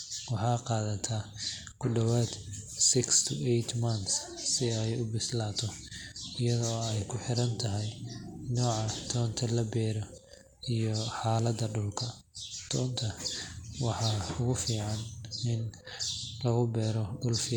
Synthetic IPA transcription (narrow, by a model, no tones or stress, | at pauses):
wɑħɑːqɑːðɐt̪ʰaː | kʰʊɖɐwaːd̪sɪkst̪ʰʊʔɛjt̪ʰmɐnt̪ssɪɛjʊbɪslaːt̪ʰɔɪjɐðɔːɛjkʰʊħɪɾɐnt̪ʰɐɦɛjnɔːʕɑt̪ʰɔːnt̪ʰɐlɐbɛːɾɔ | ijɔħɑːlɐd̪ɐɖʊlkʰɐ | t̪ʰɔːnt̪ʰɐwɑħɑːʊɣʊfiːʕɑnɪn | lɐɣʊbɛːɾɔɖʊlfɪ